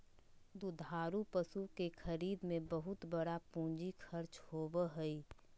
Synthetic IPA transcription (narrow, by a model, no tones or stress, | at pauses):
d̪ud̪ʱaːɾupəsukexʰəɾiːd̪mẽbəɦʊt̪bəɽapũːɲd͡ʒikʰəɾt͡ʃhoːbəɦɛi